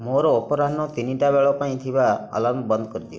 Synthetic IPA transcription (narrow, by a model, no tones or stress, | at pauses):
moɾɔːpɔɾanːɔt̪iniʈabeɭɔpaĩt̪ʰibaə̰lambɔnd̪kɔɾid̪io